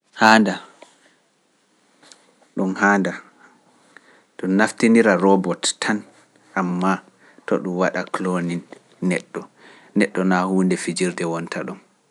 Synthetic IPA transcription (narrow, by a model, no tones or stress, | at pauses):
haːnda | ɗumhanda | ɗɔːaftiniɾaɾɔbɔttʰːan | ʔamːa | tɔɗumwaɗakloninː | ɛ̰ɗːɔ | nɛɗːɔnahuːndɛfid͡ʒiɾdɛwɔntʰaɗum